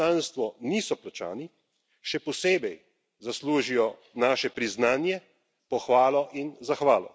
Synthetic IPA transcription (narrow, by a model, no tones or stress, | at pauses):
aːnst̪ʋɔniːsɔplat͡ʃa̰ːni | ʃɛpɔseːbɛj | zasluːʒijɔ | naːʃɛpɾiznaːnjɛ | pɔxʋaːlɔʔinzaxʋaːlɔ̰